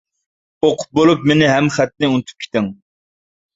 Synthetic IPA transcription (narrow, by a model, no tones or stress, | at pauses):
oqʰʊ̥p̚bolˠup̚menɪɦɛmχæt̪nɪunɨt̪ʰu̥p̚kʲʰe̥t̪ɪŋ